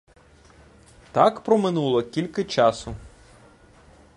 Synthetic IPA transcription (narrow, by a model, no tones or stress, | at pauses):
t̪ɑkpɾɔmɪnulˠɔkʲilʲkɪt͡ʃɑsʊ